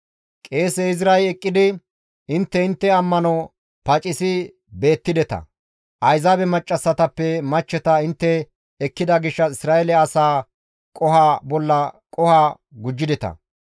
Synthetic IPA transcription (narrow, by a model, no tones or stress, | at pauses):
kʼe̞ːsɛɪzɪɾɐjɛkʼːɪd̪ɪ | ɪnt̪ːɛɪnt̪ːɛɐmːɐnɔ | pɐt͡ʃʼɪsɪ | be̞ːt̪ːɪd̪ɛt̪ɐ̰ | ʔɐjzaːbɛmɐt͡ʃʼːɐsːɐt̪ɐpːɛmɐt͡ʃːɛt̪ɐɪnt̪ːɛː | kːɪd̪ɐɡɪʃːɐɪsɾaːɛlɛɐsaː | kʼɔhaːbɔlːɐkʼɔhaː | ɡʊd͡ʒːɪd̪ɛt̪ɐ̰